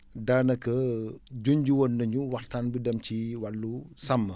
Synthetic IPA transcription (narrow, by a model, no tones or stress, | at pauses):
daːnɐkɐd͡ʒoɲɟuwonːɐɲuwɐxtaːnbidɐmciwɐlːusɐmːɐ